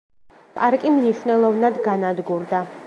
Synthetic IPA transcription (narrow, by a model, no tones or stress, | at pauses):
pʼaɾkʼimniʃwnɛlˠɔvnad̪ɡanad̪ɡuɾd̪a